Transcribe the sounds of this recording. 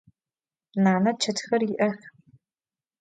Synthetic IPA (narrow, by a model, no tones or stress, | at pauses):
naːnɐt͡ʃʰɐtʰxɐrjɪʔɐxʲ